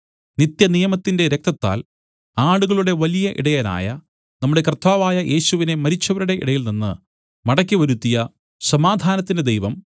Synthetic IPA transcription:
nit̪jɐnijɐmɐt̪ːinde̞ɾek̚t̪ɐt̪ːa̰ːl | aːɽuɣɐɭuɽe̞ʋɐlijɐʔḭɽɐjaːna̰ːjɐ | nɐmːuɽe̞krt̪aːʋaːjɐʔe̞ːɕuʋine̞mɐɾit͡ɕːɐʋɐɾuɽe̞ʔḭɽɐjilninːɨ | mɐɽɐkʲːiʋɐɾut̪ːijɐ | sɐmaːd̪ʱaːnɐt̪ːinded̪ejʋɐm

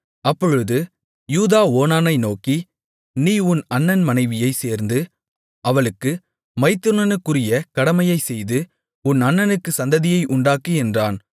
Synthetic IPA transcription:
ɐpːɔɻɯðɯ | juːðaːoːnaːnɐɪnoːki | niːʊnɐnːɐnmɐnɐɪʋɪjɐɪseːɾnd̪ɯ | ɐʋɐɭɯkːɯ | mɐɪt̪ːɯɳɐnɯkːɯrɪjɐkɐɽɐmɐjɐɪsɛjðɯ | ʊnɐnːɐnɯkːɯsɐnd̪ɐðɪjɐɪʔʊɳɖaːkiɛndraːn

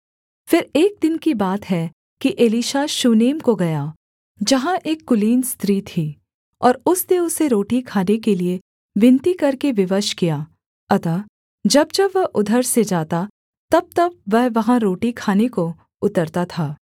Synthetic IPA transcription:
fɪɾeːk̚d̪ɪnkibaːt̪ɦɛ | kiʔeːliːʃaʃuːneːmkoɡɐjaː | d͡ʒɐɦãʔeːkːʊliːnst̪ɾiːt̪ʰiː | ɔːɾʊsneʊseɾoːʈikʰaːnekelie | ʋɪ̃nt̪ikɐɾkeʋɪʋəʃkijaː | ɐt̪aː | d͡ʒɐb̚t͡ʃɐʋɐɦʔʊd̪ʱəɾsed͡ʒaːt̪a | t̪ɐb̚t̪ɐb̚ʋɛɦʋɐɦãɾoːʈikʰaːneko | ʊt̪əɾt̪at̪ʰaː

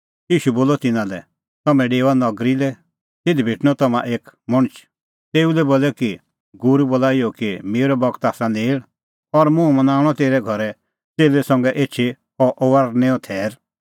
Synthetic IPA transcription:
jiːʃuboːlɔt̪ɪnãlɛ̰ | t̪ɐmɛ̃ɖeːʋanɐɡɾilɛ | t̪ɪd̪ʱibʱeʈʰñɔt̪ɐmãʔeːkmɔɽ̃t͡ʃʰ | t̪eːulɛboːlɛki | ɡʊɾubolaːijɔkimeːɾɔbɔkt̪aːsãneːɭ | ɔɾmũmɐ̃naːɽ̃ɔt̪eːɾɛɡʱɔɾɛ | t͡seːlesɐ̃ŋɡɛʔeːtːt͡ʃʰi | ɔʔoʋaɾnẽːɔ̃t̪ʰɛːɾ

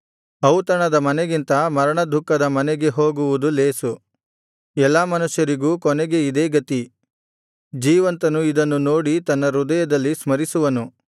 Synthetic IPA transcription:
ɐwt̪ɐɳɐd̪ɐmɐnɛɡint̪ɐmɐɾɐɳɐd̪ʱukːɐd̪ɐmɐnɛɡe̞ɦoːɡuʋud̪ule̞ːsu | ɛlːaːmɐnuʂjɐɾiɡuːkɔnɛɡe̞id̪eːɡɐt̪i | d͡ʒiːʋɐnt̪ɐnuid̪ɐnːuno̞ːɽit̪ɐnːɐɾud̪ɐjɐd̪ɐlːismɐɾisuʋɐnu

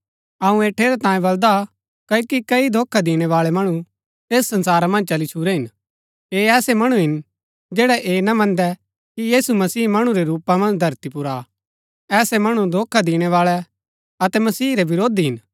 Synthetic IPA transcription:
ɐũeːʈʰːeːɾɛt̪ãːjĩbɐld̪a | kɐokikɐid̪ʱoːkʰːad̪iːɽ̃ɛʋaːɭɛmɐɽ̃u | eːsːɐ̃nsaːɾamɐ̃nd͡ʒt͡ʃɐlit͡ʃʰuɾɛɦɪn | eːɛːsɛmɐɽ̃uɦɪn | d͡ʒeːɽɛʔeːnɐmɐ̃nd̪ɛ | kijiːsumɐsiːmɐɽ̃ũɾɛɾuːpamɐ̃nd͡ʒd̪ʱɐɾt̪ipʊɾa | ɛːsɛmɐɽ̃ud̪ʱoːkʰad̪iːɽ̃ɛʋaːɭɛ | ɐt̪ɛmɐsiːɾɛʋɪɾoːd̪iɦɪn

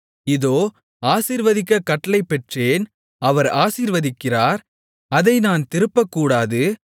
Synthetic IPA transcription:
ɪðoː | aːsiːɾʋɐðɪkːɐkːɐʈːɐlɐɪpːɛʈreːn | ɐʋɐɾaːsiːɾʋɐðɪkːɪraːɾ | ɐðɐɪnaːnt̪ɪɾɯpːɐkːuːɽaːðɯ

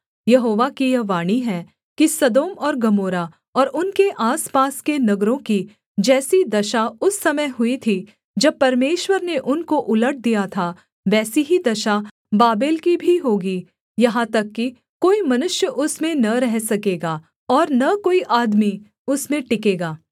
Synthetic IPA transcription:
jɐɦoːʋakijɐʋaːɽ̃iɦɛː | kisɐd̪oːmɔːɾɡɐmoːɾa | ɔːɾʊnkeʔaːspaːskenɐɡɾõki | d͡ʒɛːsid̪ɐʃaʊsːɐməjɦʊit̪ʰi | d͡ʒɐb̚pɐɾmeːʃwəɾneʔʊnkoʔʊləʈ̚d̪ijat̪ʰa | ʋɛːsiɦid̪ɐʃa | baːbeːlkibʱiɦoːɡiː | jɐɦãt̪ɐkːi | koːimɐnʊʃjəʔʊsmẽnɐɾɛɦsɐkeːɡaː | ɔːɾnɐkoːiʔaːd̪mi | ʊsmẽʈɪkeːɡaː

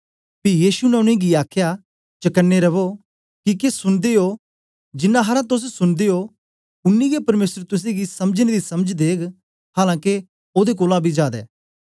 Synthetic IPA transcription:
pijiːsunɛʊɽ̃ẽɡiaːkʰja | t͡ʃɐkənːeɾɐʋo | kikesʊnd̪eo | d͡ʒɪnːãɦɐɾãt̪̬ʊs̬sʊnd̪eo | ʊnːiɡepɐɾmeːsəɾt̪ʊs̬ẽɡisɐməd͡ʒned̪isɐməd͡ʒd̪eːk | haːlãːke | oːd̪ek̬oːlãbʱid͡ʒaːd̪ɛ̰ː

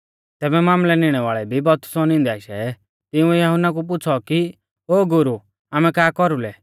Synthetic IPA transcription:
t̪ɛːbɛmaːmlɛnɪɽ̃ɛʋaːɭɛbʱibɔt̪ʊ̥sɔnɪ̃nd̪iaːɪʃɛ | t̪ɪũɛjɐɦʊnak̬up̬ʊt͡sʰɔki | oːɡʊɾu | aːmɛ̃kaːkɔɾulɛ

